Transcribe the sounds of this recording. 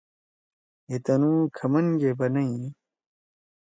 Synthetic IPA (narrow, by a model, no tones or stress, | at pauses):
et̪ɐnuːkʰɐmɐnɡebɐnɐi